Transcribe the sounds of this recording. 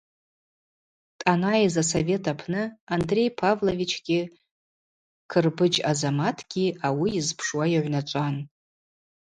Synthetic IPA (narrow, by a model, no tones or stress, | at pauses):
tʼanajizasove̞tʰapʰnɨandre̞jpʰavlo̞vit͡ʃʰɡʲɪ | kʰɨrbɨd͡ʒazamatʰɡ̥ʲiʔawiːzpʰʂwajaʕʷnat͡ʃʷʼan